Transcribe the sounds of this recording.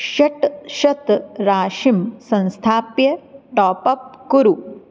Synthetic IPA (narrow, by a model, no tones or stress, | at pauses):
ɕɐʈʃɐt̪ɾaːʃimsɐ̃nst̪ʰaːpjɐʈɔːpɐp̚kuɾu